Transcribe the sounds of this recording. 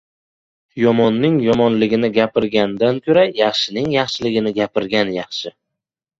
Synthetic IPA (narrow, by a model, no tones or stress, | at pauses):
jɒmɒnːɪŋjɒmɒnlɪɡʲɪnɪɡʲapɪɾɡʲand̪ankʲʰoɾajɑχʃɪnɪŋjɑχʃɪlɪɡʲɪnɪɡʲapɪɾɡʲanjɑχʃɪ